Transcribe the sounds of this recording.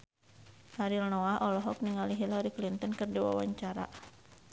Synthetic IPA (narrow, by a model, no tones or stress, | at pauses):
haɾilnɔaʔɔlɔɦɔk̚niŋaliɦilaɾiklint̪ɔnkɨrdiwa̰wa̰ɲt͡ʃaɾa̰